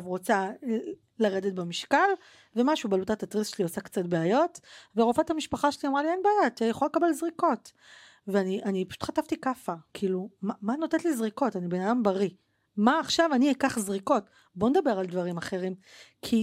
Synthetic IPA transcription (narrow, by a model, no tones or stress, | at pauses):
vʁot͡sa | laʁedet̚bemiʃkal | ve̞maʃubalutatat̪ʁisʃeliosakt͡sat̚beajo̞tveʁofathamiʃpaχaʃeliamʁalienbeajat̪ijaχoalekabelzʁiko̞t | veaniʔanipḁʃu̥tχat̪aftikafakʰiːlumamanotetlizʁiko̞tanibe̞nadambaʁi | maːχʃavaniekaχzʁiko̞t | bo̞nedabe̞ʁaldvaʁimaχe̞ʁimkʰi